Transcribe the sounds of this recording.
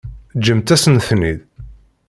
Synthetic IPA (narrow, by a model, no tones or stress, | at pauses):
d͡ʒəmt̪æsənθnið